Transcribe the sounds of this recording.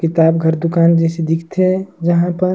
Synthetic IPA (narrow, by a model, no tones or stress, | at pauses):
kɪt̪aːbɡʱəɾd̪ʊkaːnd͡ʒɛːsed̪ikʰt̪ʰed͡ʒəɦãpəɾ